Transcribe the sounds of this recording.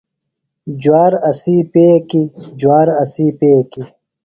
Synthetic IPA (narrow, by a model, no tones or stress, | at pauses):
d͡ʑuwaːɾɐsiːpeːkid͡ʑwaːɾɐsiːpeːki